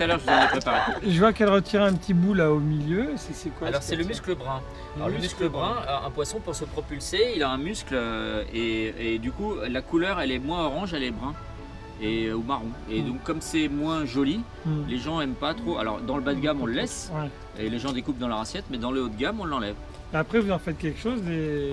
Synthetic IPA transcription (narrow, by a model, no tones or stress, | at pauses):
t̪t̪alœʁʒəvuzavɛpχepaʁeʒəvwakɛlʁət̪ʰiʁɛ̃pət̪ʰibulaomiljøsɛsɛkwaalɔʁsɛləmyskləbʁɛ̃ | əmyskləbʁɛ̃ʔɛ̰̃pwasɔ̃puʁsəpχɔpylseilaɛ̃myskløeed̪ykulakulœʁɛlɛmwɛ̃ɔʁɑ̃ʒɛlɛbʁɛ̃ | eomaʁɔ̃ed̪ɔ̃kːɔmsɛmwɛ̃ʒɔli | leʒɑ̃ɛmpat̪χoa̰lɔ̰ʁd̪ɑ̃ləbad̪ɡʲamɔ̃ləlɛswɛ | eleʒɑ̃d̪ekupd̪ɑ̃lœʁasjɛt̪mɛd̪ɑ̃ləot̪ɡamɔ̃lːɑ̃lɛv | eapχɛvuzɑ̃fɛt̪̚kʲɛlkʃoze